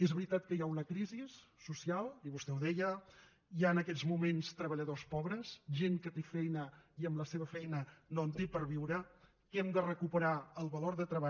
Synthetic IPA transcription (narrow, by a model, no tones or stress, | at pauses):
ezβɾit̪at̪̚kəjaunəkɾizisːusialˠiβust̪ɛwðɛjə | jaənəkɛzmumenst̪ɾəβəʎəðospɔβɾəsʒeŋkət̪efɛjnəiəmləseβəfɛjnənont̪ipəɾβiwɾə | kɛmd̪ərəkupəɾaəlˠβəloɾðət̪ɾəβa